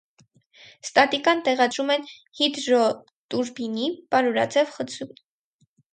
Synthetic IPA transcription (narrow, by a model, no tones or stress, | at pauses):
st̪ɑt̪ikɑnt̪ɛʁɑd̪ɾumɛn | hid̪ɾɔ | t̪uɾbinipɑɾuɾɑ̰t͡sɛvχət͡sʰum